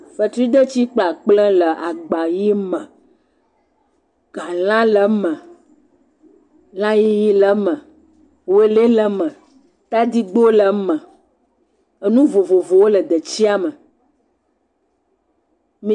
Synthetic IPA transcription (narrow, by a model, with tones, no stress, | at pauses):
ɸə˨t̪ɾu˦i˦d̪ə˦t͡ɕi˦k͡pla˨k͡plə̃˦lə˨ʔa˨ɡ͡ba˨ji˦mə̃˨ | ɡ̥ã˨lã˦lə˨mə̃˨ | lã˦ji˦ji˦lə˦mə̃˨ | we˦le˦lə˦mə̃˨ | t̪a˦d̪i˦ɡ͡bo˦lə˨mə̃˨ | ə˨nũ˦vo˨vo˨vo˨wo˦lə˨d̪ə˨t͡ɕi˦a˦mə˨ | mĩ˨